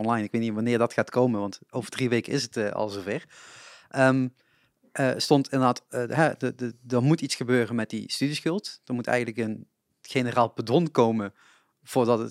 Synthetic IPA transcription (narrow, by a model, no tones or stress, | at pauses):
ɔnlɑjnɪkʋejtniʋanɪːɹdɑtxaːtkowmənʋɑntowvəɹdriʋejkənɪsətəɑ̰lˠzovɛɹʔəm | əstɔntɪndədaːtɦɛdədəɹmutitsxəbøːrənmɛt̚dḭstydisxɵlˠtd̥əɹmutɛ̰jənləkən | χenəraːlˠpədɔnkowmə | v̥ʊːɹdɑtət